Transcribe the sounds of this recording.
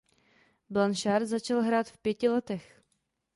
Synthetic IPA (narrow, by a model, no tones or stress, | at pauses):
blanʃaɾzat͡ʃalɦɾaːt̪fpjɛcɪlɛt̪ɛx